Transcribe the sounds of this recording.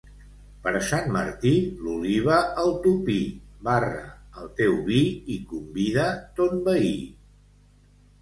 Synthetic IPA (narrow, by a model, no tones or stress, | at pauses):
pəɾəsanmə̰ɾt̪iluliβ̞əəlˠt̪upibarə̰əlˠt̪ewβiikumbiðət̪ot̪bəi